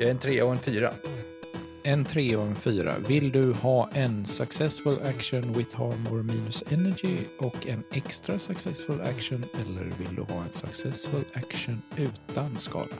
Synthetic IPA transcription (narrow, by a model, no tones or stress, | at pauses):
jɛnt̪ʰɾeːɔɛnfyːɾa̰ | ɛnt̪ʰɾeːɔɛnfyːɾa̰vɪld̪ɵhɑːʔɛnsɵksɛsfəlʔækʂənwɪθhɑːmoːɾmiːnɵsɛnæɡɪɔkʰɛnɛkst̪ɾasaksɛsfəlæ̰kʂənɛlːə̰ɾvɪld̪ɵ̰hɑ̰ːɛnsɵksɛsfɵlækʂənʉ̟ːt̪anskɑ̰ːd̪a